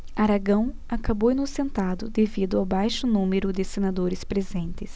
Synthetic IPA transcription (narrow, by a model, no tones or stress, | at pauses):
aɾaɡɐ̃w̃ | akabownʊsẽnt̪ad̪ʊd̪evid̪ʊawbajʃʊnũmeɾʊd̪ɪsenad̪oɾɪspɾezẽnt̪ɪs